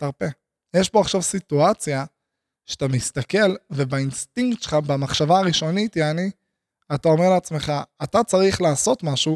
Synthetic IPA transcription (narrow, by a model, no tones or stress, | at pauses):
taʁpe | jeʃbo̞aχʃavsituat͡sja | ʃeat̪amist̪ake̞lvebainst̪iŋktʃe̥lχabamaχʃavaːʁiʃo̞nitjani | atao̞me̞ʁleat͡sme̞χaːtat͡saʁiχlaːso̞tmaʃu